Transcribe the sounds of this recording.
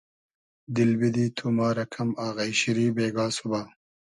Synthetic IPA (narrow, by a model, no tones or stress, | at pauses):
d̪ilbid̪iːt̪ʰumaːɾɐkʰɐmaːɣɐjɕiɾiːbeːɡaːsubaː